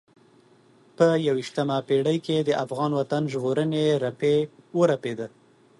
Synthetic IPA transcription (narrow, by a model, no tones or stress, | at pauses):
pəjawiʃt̪amapeɽəjked̪əʔafɣɑnwat̪anʒɣoɾəneɾapewəɾaped̪ə